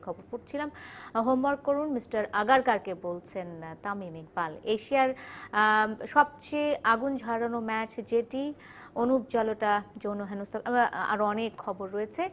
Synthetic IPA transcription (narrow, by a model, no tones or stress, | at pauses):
kʰɔboɾpuʈt͡ɕʰilamɦomːaɾkoɾunmisʈaɾaɡaɾkaɾkebolt͡ɕʰent̪amimik̚baleʃiaɾ | ʃɔb̚t͡ɕeaɡund͡ʑʱaɾanomɛt͡ɕd͡ʑeʈi | onup̚d͡ʑaloʈad͡ʑonːoɦenost̪ʰoa̰ɾɔnekʰːɔboɾːoet͡ɕʰe